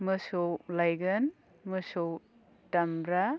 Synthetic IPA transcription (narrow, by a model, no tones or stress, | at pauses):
mɯsowlajɡɯn | mɯsow | tamɾa